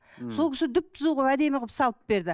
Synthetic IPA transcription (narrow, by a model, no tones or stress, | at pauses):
so̞lˠkʰʲɪsɪd̪ʏp̚t̪ʰəzuʁəpæd̪e̞mʁəpsɑlˠəp̚be̞ɾd̪ɪ